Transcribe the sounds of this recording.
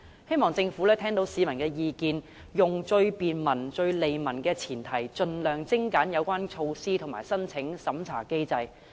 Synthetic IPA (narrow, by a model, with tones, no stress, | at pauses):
he˥jmɔː˨ŋt͡sɪ˧ŋfu˨˥lɛː˥t̪ʰɛː˥ŋt̪o˨˧˥wsiː˨˧mɐ˨˩nkɛː˧jiː˨˧kiː˧n | jʊ˨˩ŋt͡ʃɵ˧ɥpiː˨nmɐ˨˩nt͡ʃɵ˧ɥle˨jmɐ˨˩nkɛː˧t͡sʰiː˨˩nt̪ʰɐ˨˩jt͡ʃɵ˧nlœː˨˩ŋt͡sɪ˥ŋkaː˨˥njɐ˨˧wkʷaː˥nt͡ʃʰo˧wsiː˥t̪ʰʊ˨˩maː˨˩jsɐ˥nt͡sʰɪ˨˥ŋsɐ˨˥mt͡sʰa̰ː˨˩ke˥jt͡sɐ˧j